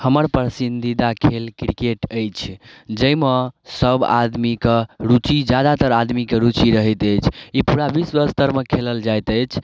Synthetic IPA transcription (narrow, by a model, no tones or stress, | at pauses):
həməɾpɾəsind̪id̪akʰelkɾikeʈəjt͡ʃʰd͡ʒəjməsəba̰d̪mikəɾut͡ʃid͡ʒad̪at̪əɾad̪mikeɾut͡ʃiɾəɦət̪ət͡ʃʰipuɾabisbəɾst̪əɾmekʰeləld͡ʒajt̪əjt͡ʃʰ